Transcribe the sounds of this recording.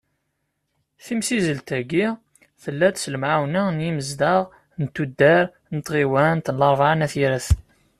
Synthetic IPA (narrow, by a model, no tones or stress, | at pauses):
θimsizəlt̪æɡi | θəlːæt̪sləmʕawnənjiməzd̪ɑʁ | nt̪ːud̪ːæɾ | nət̪ʁiwænt̪nlɑɾˤvaʕnæθiɾæθ